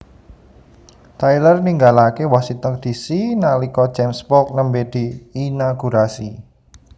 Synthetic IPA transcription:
t̪ajlərniŋɡalakewɔsit̪ɔrd̪̥i̤sinalikɔ̥d͡ʒɛmspɔk̚nəmbed̪̥i̤ːnaɡ̥uɾasi

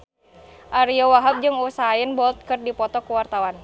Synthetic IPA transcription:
ʔaɾiɔwaɦap̚d͡ʒɨŋusaaɪnbɔlt̪̚kɨrdipɔt̪ɔkuwart̪awan

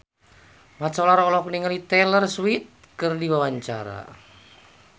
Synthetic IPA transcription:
mat͡ʃɔlaɾɔlɔk̚niŋalit̪ɛlərswit̪̚kɨrdiwawaɲt͡ʃa̰ɾa̰

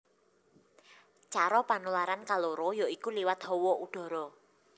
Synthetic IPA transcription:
t͡ʃaɾɔpanulaɾankaloɾɔjɔikuliwat̪̚ɦɔwɔuɖ̥ɔ̤ɾɔ

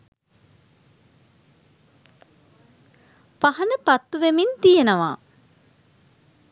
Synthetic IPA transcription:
pahɐnəpɐt̪ːuʋemint̪ijenəʋaː

